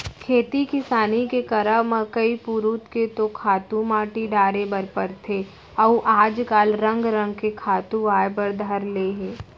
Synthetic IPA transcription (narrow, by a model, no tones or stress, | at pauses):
kʰeːt̪ikɪsaːnikekɐɾəɦmə̃kɐipuɾuːt̪ket̪okʰaːt̪ũmaːʈiɖ̪aːɾebɐɾpəɾt̪ʰe | ɐʔaːd͡ʒkaːlɾɐ̃ŋɡɾə̃ŋɡ̚kekʰaːt̪ũʋaːjbəɾd̪ʱəɾleːɦẽː